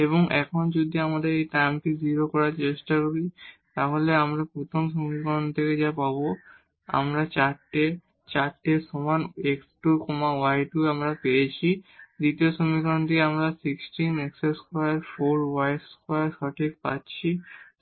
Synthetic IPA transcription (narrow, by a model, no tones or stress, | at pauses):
eβoŋʔɛ̰kʰond͡ʑod̪ʱiamad̪eɾejʈajmʈiziɾokɔɾaɾt͡ɕeʃʈakoɾit̪aɦoleamɾapɾot̪ʰomʃ̬omikɔnt̪ʰeked͡ʑapabo | a̰mɾat͡ɕaʈːe | t͡ɕaɾʈːesɔmaneksʈukomawajʈuamɾapejet͡ɕʰid̪it̪ioʃomikant̪ʰekeamɾasiksʈinɛkseskajaɾfoɾwajskajaɾʃɔʈʰik̚pa̰tːɕʰi